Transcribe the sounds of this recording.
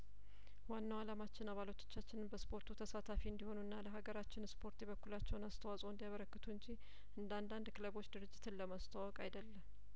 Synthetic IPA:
wanːawalamat͡ʃːɪnaβalot̪ʰo̥t͡ʃːat͡ʃːɪnɨnbəspʰo̞ɾt̪ʰut̪ʰəsat̪ʰafiɨnd̪iho̞nuɨnːaləɦaɡəɾat͡ʃːɪnspʰo̞ɾt̪ʰeβəkːulat͡ʃːɛwnast̪ʰəwasʼoɨnd̪ijaβəɾəkːət̪ʰuɨɲd͡ʒi | ʔɨnd̪and̪and̪kləβo̞t͡ʃːd̪ɨɾɨd͡ʒːɪt̪ʰɨnləmast̪ʰawɔkʼajd̪əlːəm

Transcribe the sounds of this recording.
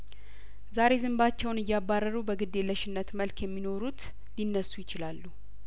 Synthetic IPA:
zaɾe̞zɨmbat͡ʃːɛwnɨjːabːarːəɾubəɡɨd̪ːe̞ləʃɪnːət̪məlkjɛmːino̞ɾut̪ | linːəsːujɪt͡ʃɪlalːu

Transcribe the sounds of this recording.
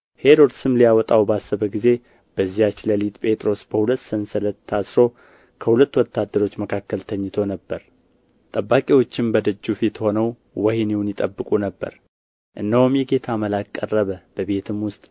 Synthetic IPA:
he̞ɾo̞d̪sɨmlijawɔt̪ʼawbasːəβəɡize̞ | b̥əzːijat͡ʃːləlit̪ʼpʼe̞t̪ʼɾo̞sb̥əhulət̪ːsənsələt̪ʰːasɾo̞ | kʰəhulət̪ːwɔt̪ːad̪ːəɾo̞t͡ʃːməkʰakːəlt̪ʰəɲːɪt̪ʰo̞nəbːəɾ | t̪ʼəbːakʼiwo̞t͡ʃːɪmbəd̪əd͡ʒːufit̪ho̞nəw | wəhniwunjɪt̪ʼəbːɨkʼunəbːə̰ɾ | ʔɨnːahumjɛɡe̞t̪ʰaməlakʼːə̰rːəβəb̥əβe̞t̪ʰɨmwʊst̪ʼ

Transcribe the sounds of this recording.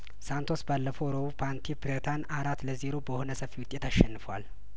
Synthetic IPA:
sant̪ʰo̞sbalːəfəwɾoβupʰant̪ʰipɾet̪ʰanaɾat̪ːləziɾo̞bəho̞nəsəfiwʊt̪ʼːe̞t̪aʃːɛnːɨfəwa̰l

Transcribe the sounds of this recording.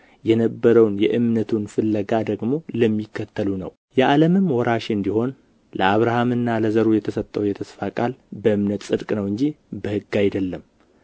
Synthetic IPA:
jɛnəbːəɾəwnjɛʔɨmnət̪ʰunfɨlːəɡad̪əɡmo̞ləmːikʰːət̪ʰːəlunə̰w | jɛʔaləmɨmwɔɾaʃɨnd̪iho̞n | ləaβɾahamɨnːaləzəɾujɛt̪ʰəsət̪ʼːəwjɛt̪ʰəsfakʼalbəɨmnət̪sʼɨd̪kʼnəwɨɲd͡ʒibəhɨɡajd̪əlːəm

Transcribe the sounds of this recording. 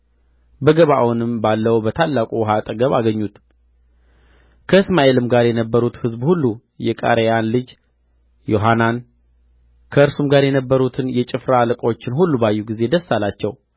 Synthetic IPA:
bəɡəβa̰wnɨmbalːəwbət̪ʰalːakʼuwɦat̪ʼəɡəβaɡəɲːut̪ | kʰəɨsmaʔe̞lɨmɡaɾjɛnəbːəɾut̪hɨzbhulːu | jɛkʼa̰ɾejanlɨd͡ʒ | jo̞ɦanan | kʰəɨɾsumɡaɾjɛnəbːəɾut̪ʰɨnjɛt͡ʃʼɪfɾalɨkʼot͡ʃːɪnhulːubajːuɡize̞d̪əsːalat͡ʃːɛw

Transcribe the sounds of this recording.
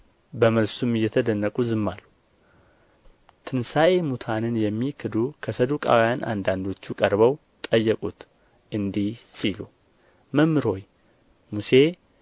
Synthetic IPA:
bəməlsumɨjːɛt̪ʰəd̪ənːəkʼuzɨmːalːu | t̪ʰɨnsaʔe̞mut̪ʰanɨnjɛmːikʰɨd̪ukʰəsəd̪ukʼa̰wjanʔa̰nd̪and̪o̞t͡ʃːukʼəɾβəw | t̪ʼəjːəkʼut̪ | ʔɨnd̪ihsilu | məmːɨɾho̞j | muse̞

